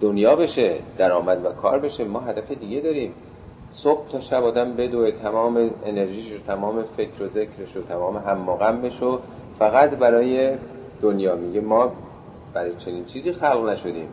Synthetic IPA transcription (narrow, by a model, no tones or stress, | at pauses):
d̪̥onjɒːbe̞ʃed̪̥æɾɒːmæd̪vækʰɒ̰ːɾbe̞ʃemɒːɦæd̪æfed̪iːɡed̪ɒːɾiːm | sob̥̚t̪ʰɒːʃæbɒːd̪æmbe̞d̪oet̪ʰæmɒːme̞ene̞ɾʒiːʃot̪ʰæmɒːme̞fe̞kʰɾoze̞cʰɾeʃot̪ʰæmɒːme̞ɦæmːoːɣæmbe̞ʃo | fæɣæt̪bæɾɒːje̞ | d̪̥onjɒːmiɟemɒː | b̥æɾɒːjet͡ʃʰe̞niːnt͡ʃʰiːziːxælɣnæʃo̞d̪iːm